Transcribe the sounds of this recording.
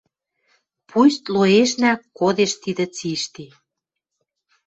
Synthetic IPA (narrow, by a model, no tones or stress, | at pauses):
pust̪loeʃnæod̪eʃt̪id̪ə̆t͡siʃt̪i